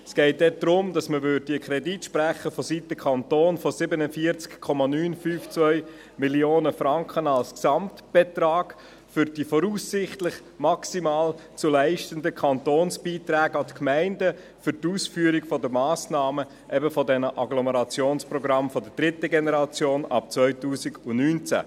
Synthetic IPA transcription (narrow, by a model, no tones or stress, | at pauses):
sɡ̥ɛɪt̚dɛd̥̪ɾʊmdɑsməʋøɾdd̥iəkʰɾɛditʃpræχəfɔsitːəkʰɑnt̪oːnfɔsɪbənəfiəɾt͡skkʰːɔmɑnyːnfyːft͡svœʏ | miljoːnəfɾɑŋkχənɑlsksɑmtb̥ɛtɾɑːɡ̥ | fʏɾd̥ifɔɾuːsːɪχtlɪχ | mɑksimɑːlt͡sulæɪʃtəndəkʰɑnt̪oːnsb̥iːt̪ɾæːɡɑt̪kmæɪndə | fʏɾtuːsfyːəɾɪɡfɔdəmɑːsnɑːmə | ʔɛbəfɔdɛnəʔɑɡlɔməɾɑt͡sjoːnsprɔɡɾɑmfɔdəd̥ɾɪt̪əɡenəɾɑt͡sjoːnɑ̰p̚t͡svœʏtuːsɪɡʊnyːnt͡sæ̰